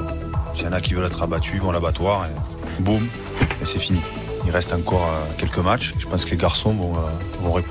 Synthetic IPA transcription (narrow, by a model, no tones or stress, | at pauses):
sijɑ̃nakʲivœlɛt̪χabat̪ʰyivɑ̃labat̪waʁe | bum | esɛfini | ilʁɛst̪ɑ̃kɔʁøkʲɛlkəmat͡ʃeʒə̥pɑ̃skəleɡaʁsɔ̃vɔ̃øvɔ̃ʁe